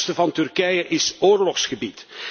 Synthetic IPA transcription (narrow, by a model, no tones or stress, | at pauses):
stəvɑntɵrkɛjəʔɪsoːrlɔxsχəbit